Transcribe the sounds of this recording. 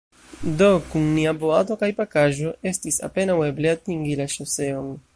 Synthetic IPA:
d̪okuŋniaboat̪o̞kajpakaʒoest̪isa̰penawebleat̪iŋɡilaʃoseoŋ

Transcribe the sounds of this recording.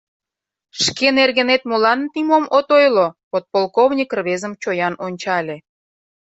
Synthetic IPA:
ʃkenerɣə̆net̪mulɑnt̪imomot̪ojlopot̪̚polˠkoβnʲikrβezəmt͡ɕojɑnonʲt͡ɕɑlʲe

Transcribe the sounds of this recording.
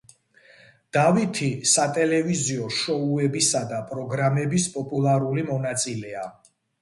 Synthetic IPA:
d̪̥avit̪ʰisat̪ʼɛlɛviziɔʃɔuɛbisad̪apʼɾɔɡɾamɛbispʼɔpʼulˠaɾulimɔnat̪sʼilɛa

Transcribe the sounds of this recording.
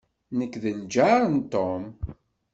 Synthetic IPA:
nəkːðənd͡ʒaɾˤənt̪ːom

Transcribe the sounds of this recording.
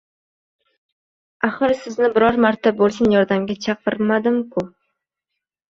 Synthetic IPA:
aχɨɾsɪznɪbɪɾɒɾmaɾt̪ʰabolˠsɪnjɒɾd̪amɡʲat͡ʃʰɑqɨɾmad̪ɪmkʰʊ

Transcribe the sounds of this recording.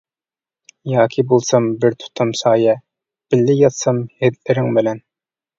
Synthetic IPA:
jɑːkʲʰibolˠsɑmbɪɾt̪ʰu̥t̪ʰːɑmsɑːjɛ | b̥ɪlːɪjɑt̪sɑmhed̪lɪɾɪŋbɪlɛn

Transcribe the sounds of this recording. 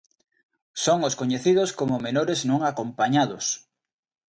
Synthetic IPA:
soŋoskoɲeθið̞oskomomenoɾeznõŋakompaɲaðos

